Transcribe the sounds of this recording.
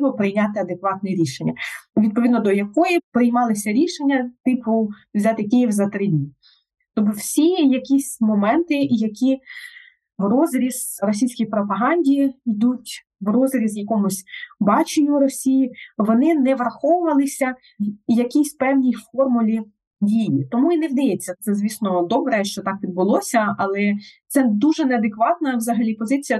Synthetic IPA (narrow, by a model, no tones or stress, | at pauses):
bɔpɾɪjnʲat̪ɪɐd̪ekʋɑt̪̚nɛɾʲiʃenʲːɐʋʲid̪̚pɔʋʲid̪nɔd̪ɔjɐkɔjipɾɪjmɑlˠɪsʲɐɾʲiʃenʲːɐt̪ɪpʊwzʲɑt̪ɪkʲijiwzɐt̪ɾɪdʲnʲi | t̪ɔbʊwsʲijɐkʲisʲmɔmɛnt̪ɪjɐkʲi | ʋrɔzɾʲizrɔsʲijsʲkijpɾɔpɐɦɑnʲdʲiid̪utʲ | ʋrɔzɾʲizjɐkɔmʊsʲbɑt͡ʃɪnʲuɾɔsʲijiʋɔnɪnɛʋrɐxɔwʊʋɐlˠɪsʲɐ | jɐkʲisʲpɛwnʲijfɔrmʊlʲi | dʲijit̪ɔmuinɛwd̪ɐjɛt͡sʲːɐt̪sɛzʋʲisnɔd̪ɔbɾɛʃt͡ʃɔt̪ɑkʋʲid̪bʊlˠɔsʲɐɐlˠɛt̪sɛd̪uʒɛnɛɐd̪ekʋɑt̪nɐʋzɐɦɐlʲipɔzɪt͡sʲijɐ